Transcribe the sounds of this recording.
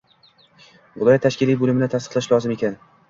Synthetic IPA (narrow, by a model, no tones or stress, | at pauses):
vʊlˠɒjat̪ʰaʃkʲɪlijbolɪmɪnɪt̪ʰast̪ɨ̥qlˠaʃlˠɒzɪme̞kʲʰan